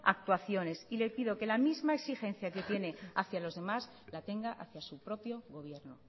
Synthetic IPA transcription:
a̰k̚t̪waθjo̞ne̞sile̞piðo̞ke̞lamizmaeksixẽ̞nθjaket̪jene̞aθjalo̞zðe̞maz | lat̪e̞ŋɡaʔaθjasupɾo̞pjo̞ɣo̞β̞je̞ɾno

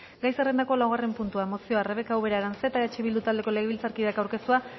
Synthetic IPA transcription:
ɡajserend̪ako̞lawɣ̞are̞mpunt̪uamo̞sio̞areβ̞e̞kawβe̞ɾaeɾanse̞t̪at͡ʃiβild̪ut̪ald̪e̞ko̞le̞ɣ̞eβilt͡saɾkiðakawɾke̞st̪ua

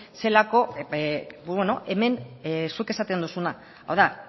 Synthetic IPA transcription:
se̞lako̞ | bono̞ʔe̞me̞nsuke̞sat̪e̞nd̪usuna | a̰wða

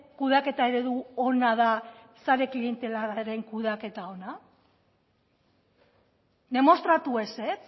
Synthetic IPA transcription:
kuðake̞t̪ae̞ɾe̞ðuo̞naða | saɾe̞klie̞nt̪e̞laɾaɾe̞ŋkuð̞ake̞t̪ao̞na | d̪e̞mo̞st̪ɾat̪ue̞set͡s

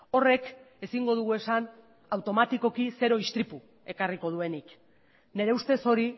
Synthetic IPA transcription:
o̞re̞k | e̞siŋɡo̞ð̞uɣ̞ue̞san | awt̪o̞mat̪iko̞kise̞ɾo̞ist̪ɾipu | e̞kariko̞ð̞ue̞nik | ne̞ɾe̞ust̪e̞so̞ɾi

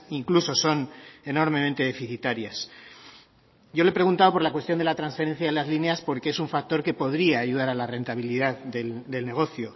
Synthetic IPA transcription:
iŋkluso̞so̞ne̞no̞ɾme̞mẽnt̪e̞ðe̞fiθit̪aɾjas | ɟ͡ʝo̞le̞pɾe̞ɣ̞unt̪aðopo̞ɾlakwe̞st̪jo̞nd̪elat̪ɾansfe̞ɾe̞n̟θjaelazlineaspo̞ɾke̞esuɱfak̚t̪o̞ɾke̞po̞ðɾiaːʝuðaɾalare̞nt̪aβ̞iliðaððeld̪e̞lne̞ɣ̞o̞θjo̞

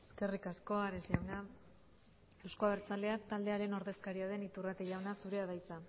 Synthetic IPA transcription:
eske̞rikasko̞aɾezʎawna | ewskoaβeɾt͡sald̪e̞at̪ald̪e̞aɾe̞no̞ɾðe̞skaɾiað̞e̞nit̪urat̪eʝawnasuɾe̞aðajt͡sa

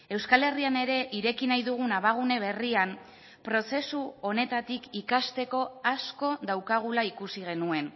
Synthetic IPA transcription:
e̞wskale̞riane̞ɾe̞ʔiɾe̞kinajðuɣ̞unaβaɣ̞une̞β̞e̞riam | pɾo̞se̞suo̞ne̞t̪at̪ikikast̪e̞ko̞asko̞ðawkaɣ̞ulaikusiɣ̞e̞nue̞n

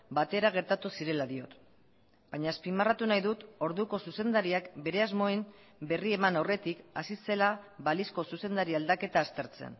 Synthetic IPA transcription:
bat̪e̞ɾaɣ̞e̞ɾt̪at̪usiɾe̞laðio̞̰t̪ | baɲaespimarat̪unajðut̪o̞ɾðuko̞suse̞nd̪aɾiakbe̞ɾe̞azmo̞em | be̞rie̞manawre̞t̪ikasise̞laβalisko̞suse̞nd̪aɾiald̪ake̞t̪aːst̪e̞ɾt͡se̞̰n

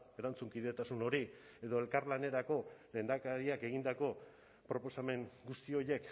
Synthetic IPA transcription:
eɾant͡suŋkiðe̞t̪asuno̞ɾie̞ðo̞e̞lkaɾlane̞ɾako̞le̞ːnd̪akaɾiake̞ɣind̪ako̞ | pɾo̞po̞same̞ŋɡust̪io̞je̞k

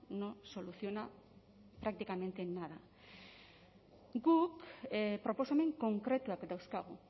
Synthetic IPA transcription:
noso̞luθio̞na | pɾak̚t̪ikame̞nt̪e̞nːaða | ɡukpɾo̞po̞some̞ŋko̞ŋkɾe̞t̪uakd̪awskaɣ̞u

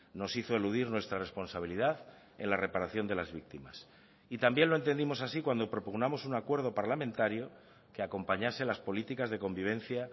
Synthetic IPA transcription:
no̞siθo̞e̞luðiɾnwe̞st̪ɾare̞spo̞nsaβ̞iliðað | e̞̰nlare̞paɾaθjo̞nd̪e̞lazβik̚t̪ima̰s | it̪ambjenloe̞nt̪e̞nd̪imo̞sasikwand̪o̞pɾo̞puɣnamo̞suŋakwe̞ɾð̞o̞paɾlamẽnt̪aɾjo | keako̞mpaɲase̞laspo̞lit̪ikazðe̞ko̞mbiβ̞ẽ̞nθja

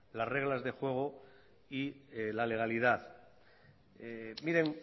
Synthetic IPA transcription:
lasre̞ɣ̞lazðe̞xwe̞ɣ̞o | ilale̞ɣ̞aliðaθ | emiɾe̞ŋ

